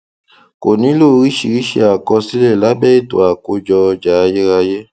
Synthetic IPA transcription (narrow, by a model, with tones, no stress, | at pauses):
ko˨nĩ˨˦lo˦˨˦ɾi˦ʃi˨ɾi˦ʃe˧˦a˨kɔ˧si˦lɛ˦˨la˦bɛ˦e˦˨to̰˨a˨ko˧d͡ʒɔ˧d͡ʒa˨˦˧je˦ɾa˧je˦